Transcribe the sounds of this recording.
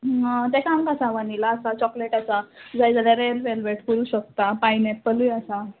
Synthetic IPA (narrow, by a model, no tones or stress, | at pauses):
t̪akamkasãʋanilaːsat͡ɕɔkleʈasad͡zajd͡zaljaɾelʋelʋeʈkəɾuːɕək̚t̪apainẽpːəlujasa